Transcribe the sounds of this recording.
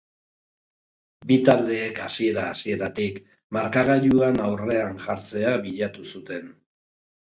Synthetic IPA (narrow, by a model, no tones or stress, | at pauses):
bit̪ald̪e̞ːkasie̞ɾaːsie̞ɾat̪ik | maɾkaɣaʎuanawre̞aŋʝaɾt͡se̞aβiʎat̪usut̪e̞n